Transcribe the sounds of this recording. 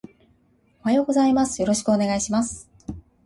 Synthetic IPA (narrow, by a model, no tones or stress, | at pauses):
o̞hajo̞ːɡo̞zaimasɨ̥jo̞ɾo̞ɕi̥kɯo̞ne̞ɡaiɕimasɨ̥